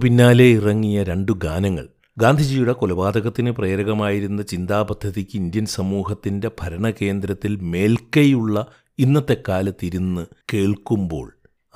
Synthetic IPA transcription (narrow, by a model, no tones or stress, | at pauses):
pinːaːle̞irɐŋːijɐɾe̞ɳɖuɡaːnɐŋːɐ̰ɭ | ɡaːnd̪ʱid͡ʑijuɽe̞kolɐbaːd̪ɐɣɐt̪ːinɨpreːɾɐɣɐmaːjiɾunːɐt͡ɕind̪aːbɐd̪ʱːɐðikʲːɨind̪jɐnsɐmuːɦɐt̪ːinde̞b̥ʱɐɾɐɳɐke̞ːnd̪ɾɐt̪ːilme̞ːlkɐjuɭːɐ | inːɐt̪ːe̞kːaːlɐt̪iɾunːɨke̞ːɭkumbo̞ːɭ